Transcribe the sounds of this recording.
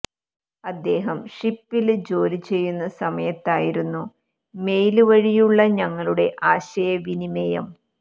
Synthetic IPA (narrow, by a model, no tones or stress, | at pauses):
ɐd̪ːe̞ːɦɐmʂipːild͡ʑo̞ːɾit͡ɕe̞jːunːɐsɐmɐjɐt̪ːaːjiɾunːu | me̞jluʋɐɻijuɭːɐɲɐŋːɐɭuɽe̞ʔaːɕɐjɐʋinimejɐ̰m